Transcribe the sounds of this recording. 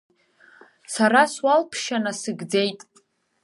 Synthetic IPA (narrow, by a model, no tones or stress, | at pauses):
saɾaswalpʰʃanasɨɡd͡ze̞jtʼ